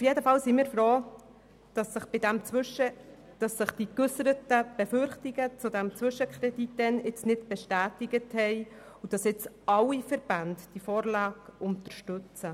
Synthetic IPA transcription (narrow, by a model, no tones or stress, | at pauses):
ufjedəfɑlsimiːɾfɾoː | d̥ɑsəχb̥ɪdæmt͡sʋʃə | d̥ɑsːəχd̥ikɵsəɾətəb̥ɛfʏɾχtiɡət͡sud̪æmt͡sʋʏʃəkʰχɾɛditːɛnɪt͡snɪdb̥ɛʃtæːtɪɡəthɛɪ | ud̥ɑsɪt͡sʔɑwifɛɾbændd̥ifoːɾlɑːɡʊnt̪əɾʃtʉt͡sə